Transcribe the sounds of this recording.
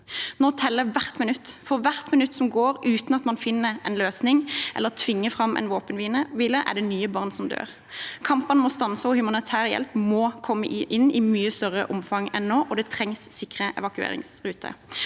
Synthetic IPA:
nɔt̪ʰɛlːəʋæʁt̪mɪnʉt̪ːfɔʋæʁt̪mɪnʉt̪ːsɔmɡoːʁʔʉːt̪nɑt̪mɑnfɪnːəɛnløːsnɪŋʔɛ̰lːət̪ʰʋɪŋːəfʁɑmʔɛ̰nʋoːpənʋiːnəʋiːləʔæ̰ʁɖ̪ɛnyːəbɑʁnsɔmd̪ø̰ːʁ | kʰɑmpənmɔst̪ɑnsəɔhʉmɑnɪt̪ʰæːʁjɛ̰lpmɔːkʰɔmːə̰ʔʔɪnːɪmyːəst̪œʁə̰ʔʊmfɑŋɛnnoːʔɔd̪ɛt̪ʰʁɛŋsːɪkʁəʔɛ̰ʋɑkʉḛːɾɪ̰ŋsʁʉːt̪ʰə̰

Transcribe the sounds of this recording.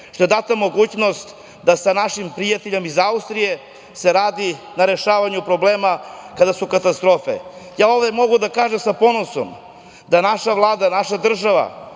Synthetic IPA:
t̪o̞e̞d̪at̪amo̞ɡuːt͡ɕno̞st̪ | d̪asanaʃimpɾijat̪eʎe̞mizaust̪ɾije̞ | se̞ɾaːd̪i | naɾe̞ʃaːʋaɲupɾo̞bleːmakad̪asukat̪ast̪ɾo̞fḛjaːo̞ːʋd̪emo̞ɡud̪akaːʒemsapo̞no̞so̰m | d̪anaʃaʋlˠaːd̪anaʃad̪r̩ʒaʋa̰

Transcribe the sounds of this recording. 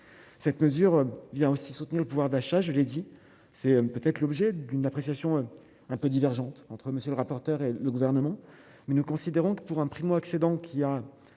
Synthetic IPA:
sɛt̪məzyʁvjɛ̃osisut̪niʁləpuvwaʁd̪aʃaʒəled̪i | sɛøpøt̪ɛt̪χlɔbʒɛd̪ynapχesjasjɔ̃ø | ɛ̃pød̪ivɛʁʒɑ̃t̪ɑ̃t̪χəməsjələʁapɔʁt̪œʁeləɡuvɛʁnəmɑ̃ | mɛnukɔ̃sid̪eʁɔ̃kə̥puʁɛ̃pχimoaksed̪ɑ̃kʲʰia

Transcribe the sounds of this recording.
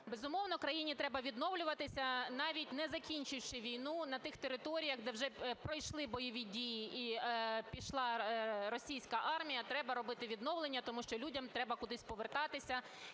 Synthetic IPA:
bezʊmɔʋnɔkɾɐjinʲit̪ɾɛbɐʋʲid̪nɔwlʲʊʋɐt̪ɪsʲɐnɑʋʲit̚ʲnɛzɐkʲinʲt͡ʃɪwʃɪʋʲijnunɐt̪ɪxt̪eɾɪt̪ɔɾʲijɐɣd̪ɛwʒɛpɾɔjʃlˠɪbɔjɔʋʲidʲijiʔipʲiʃlˠɑrɔsʲijsʲkɐʔɑrmʲijɐt̪ɾɛbɐɾɔbɪt̪ɪʋʲid̪nɔwlˠenʲːɐt̪ɔmuʃt͡ʃɔlʲudʲɐmt̪ɾɛbɐkʊd̪ɪsʲpɔʋert̪ɑt̪ɪsʲɐ

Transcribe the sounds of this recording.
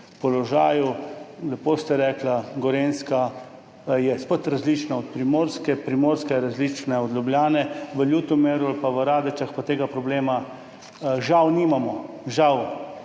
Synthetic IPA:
pɔlɔʒaːjulɛpoːst̪ɛɾɛːklaɡɔɾenska | jɛspət̪ɾazlit͡ʃnaɔt̪̚pɾimoːɾskɛpɾimoːɾskɛɛɾazlit͡ʃnɛɔd̪ljublʲjaːnɛʋəljut̪ɔmeːɾualpaʋəɾaːd̪ət͡ʃaxpat̪eːɡapɾɔbleːma | ʒawnimamɔ | ʒaw

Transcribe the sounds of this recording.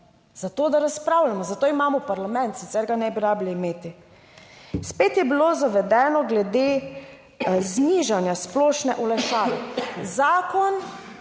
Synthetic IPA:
z̥at̪oːd̪aɾaspɾaːwlamɔzat̪oːimaːmɔpaɾlamɛ̃nt̪sit̪sɛɾɡanɛbiɾaːbliimeːt̪i | speːt̪jɛbiloːzaʋɛd̪ɛːnɔɡlɛd̪e | zniːʒanjasploːʃnɛʔɔlɛʃaːlɛzaːkɔn

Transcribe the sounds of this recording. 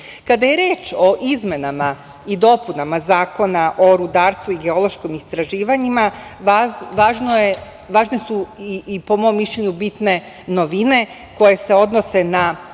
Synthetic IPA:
kad̪aje̞ɾeːt͡ʃo̞ʔizme̞nama | id̪o̞punamazaːko̞naʔo̞ɾud̪aːɾst̪ʋuiɡe̞o̞lˠo̞ʃkomist̪ɾaʒiːʋaɲimaaʋaːʒnoje | ʋaːʒnesuiipo̞mo̞mːiʃʎeɲubit̪ne̞ | no̞ʋine̞ | ko̞je̞se̞o̞d̪no̞se̞na

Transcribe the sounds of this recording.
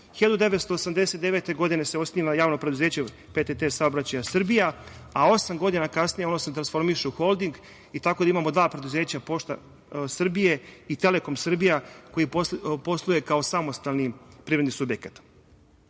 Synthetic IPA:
çiʎad̪ud̪e̞ʋet̪st̪o̞ːsamd̪e̞set̪d̪e̞ʋeːt̪e̞ɡo̞d̪ine̞seo̞snimajaːʋnopɾed̪uzeːt͡ɕe | pet̪et̪esaobɾat͡ɕajasr̩bijaao̞samɡo̞d̪inakasnijeo̞noset̪ɾansfo̞ɾmiʃeuxo̞lˠd̪iŋɡ | it̪ako̞d̪aimaːmo̞d̪ʋaːpɾe̞d̪uzeːt͡ɕapo̞ʃt̪a̰ | sr̩bijeit̪e̞le̞ko̞msr̩bijako̞jipo̞slˠuje̞kao̞samo̞st̪alnipɾivɾed̪nisubjekḁt̪

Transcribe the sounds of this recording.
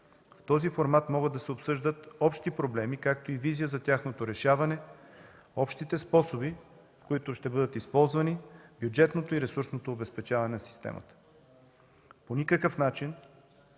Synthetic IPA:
ft̪ɔzifoɾmat̪mɔɡəd̪ːɐsɛopsɤʒd̪ət̪ɔpʃt̪ipɾoblɛmikak̚t̪oiviziəzɐt̪ʲaxnot̪oɾɛʃavɐnɛ | ɔpʃt̪it̪ɛspɔsobi | koit̪ʊʃt̪ɛbɤd̪ət̪ispɔlˠzvɐnibjud͡ʒɛt̪not̪oiɾɛsuɾsnot̪oːbɛspɛt͡ʃavɐnɛnɐsi̥st̪ɛ̰mə̰t̪ə̥ | ponʲikəkəfnat͡ʃin

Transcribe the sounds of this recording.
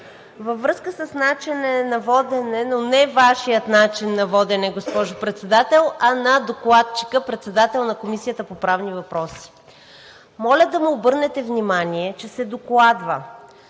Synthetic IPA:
vəvːɾɤskəsəsnat͡ʃɛnɛnɐvɔd̪ɛnɛnonɛvaʃijət̪nat͡ʃinːɐvɔd̪ɛnɛɡospɔʒʊpɾɛt̪sɛd̪at̪ɛlˠɐnɐd̪oklˠat̪̚t͡ʃi̥kəpɾɛt̪sɛd̪at̪ɛlˠnɐkomisijət̪əpopɾavnivɐpɾɔsi̥ | mɔlʲəd̪ɐmiobɤɾnɛt̪ɛvnimaniɛt͡ʃɛsɛd̪oklˠad̪və̰

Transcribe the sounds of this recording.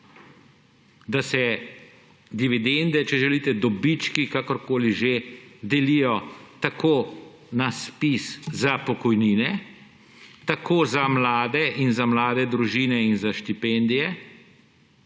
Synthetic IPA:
d̪asɛ | d̪iʋid̪end̪ɛt͡ʃɛʒɛliːt̪ɛd̪ɔbit͡ʃkikakɔɾkoːliʒed̪ɛlijɔt̪akʰoː | naspiszapɔkɔjniːnɛ | t̪akʰoːzamlaːd̪ɛʔinzamlaːd̪ɛd̪ɾuʒiːnɛinzaʃt̪ipɛnd̪ijɛ

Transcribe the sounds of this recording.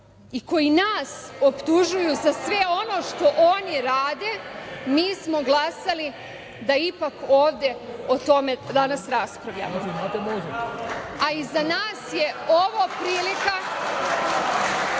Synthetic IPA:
iko̞jinaːsopt̪uʒujuzasʋe̞o̞no̞ːʃt̪o̞ʔo̞niɾaːd̪e̞miːsmo̞ɡlˠasali | d̪aipako̞ːʋd̪e̞ot̪o̞med̪anasɾaspɾaʋʎʲa̰m | aizanaːsje̞oʋopɾiːlika

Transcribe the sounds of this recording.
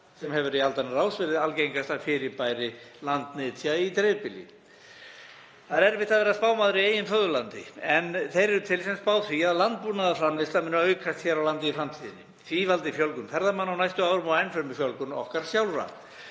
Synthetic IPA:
sɛmhɛvʏɾialt̪anaraːwsvɪɾɪðalcejŋkast̪afɪɾɪpaːjɾɪlant̪nɪːt̪ʰjait̪ɾɛpɪlḭ | θaðɛɾvɪt̪aðvɛːɾaspaːwmaːðɾɪieːjɪnfœðʏlant̪ɪ̰ɛnθejɾɛɾʏt̪ʰɪlsɛmspaːwθviaðlant̪̚puːnaðafɾanvɪst̪amɪnːaœɥkʰast̪çɛɾawlant̪ɪifɾamt̪ʰiːðɪnːɪ̰ | θvivalt̪ɪfjœlkʏmfɛɾðamanːawnajst̪ʏawɾʏmɔɣɛjnfœɾmɪfjœlkʏnɔ̰hkaɾ̥sjawlvɾa̰

